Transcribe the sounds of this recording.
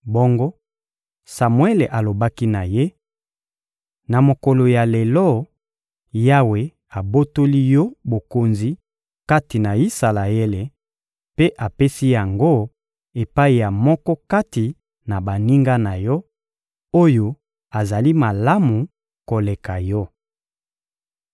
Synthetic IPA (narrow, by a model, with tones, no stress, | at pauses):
bo˦ŋɡo˦ | sa˨mwe˦le˨ʔa˨lo˨ba˦ki˦na˨je˦ | na˨mo˨kɔ˨lo˨ja˨le˨lɔ˦ | ja˦we˨ | a˨bo˦to˦li˦jɔ˦bo˨ko˨nzi˦ | ka˦ti˨na˨i˦sa˨la˨e˦le˨ | pe˦ʔa˨pe˦si˦ja˨ŋɡo˦ | e˨pa˦i˨ja˨mɔ˦kɔ˦ka˦ti˨ | na˨ba˨ni˦ŋɡa˦na˨jɔ˦ | o˦jo˦ | a˨za˨li˦ma˨la˦mu˨ | ko˨le˨ka˨jɔ˦